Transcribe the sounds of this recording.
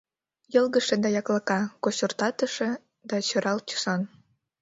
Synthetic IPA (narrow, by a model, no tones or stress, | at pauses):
jɤlɣə̆ʃĕd̪ɑjɑklɑkɑkoɕort̪ɑt̪ə̆ʃĕ | d̪ɑt͡ɕɤ̆ɾɑlt͡ɕu̥sɑn